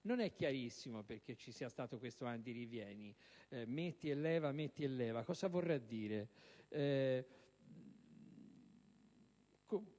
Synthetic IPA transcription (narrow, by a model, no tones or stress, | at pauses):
nonɛkːjaɾisːimoperk̟et͡ʃːisiːast̪aːt̪okwest̪oand̪irivjɛːnimet̪ːielːɛːvamet̪ːielːɛːvakɔːzavorːɛd̪ːiːɾe | ko